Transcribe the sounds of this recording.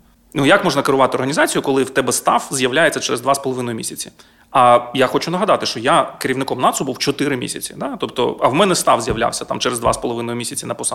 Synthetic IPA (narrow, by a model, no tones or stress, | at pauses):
nujakmɔʒnɐkeɾʊʋɑt̪ɪɔrɦɐnʲizɑt͡sʲijʊkɔlˠɪwt̪ɛbɛst̪ɑ̰wzʲjɐwlʲajet͡sʲːɐt͡ʃɛɾezd̪ʋaspɔlˠɔʋɪnɔjʊmʲisʲɐt͡sʲi | ɐjaxɔt͡ʃʊnɐɦɐd̪ɑt̪ɪʃt͡ʃɔjakɪɾʲiʋwnɪkɔmnɑt̪sʊbuwt͡ʃɔt̪ɪɾɪmʲḭsʲɐt͡sʲid̪at̪ɔpt̪ɔ̰ɐwmɛnɛst̪ɑwzʲjɐʋlʲa̰wsʲɐt̪ɑ̰mt͡ʃɛɾzd̪ʋa̰spɔlˠɔʋɪnɔjʊmʲisʲɐt͡sʲinɐpɔsɑ